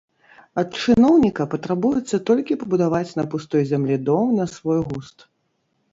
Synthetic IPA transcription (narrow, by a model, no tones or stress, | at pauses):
ɐt̪̚t͡ʂɨnɔwnʲikɐpɐt̪ɾabujɛt̪sːɐt̪ɔlʲkʲipɐbud̪avat͡sʲnɐpust̪ɔjzʲamlʲid̪ɔmnɐsvɔjɣust̪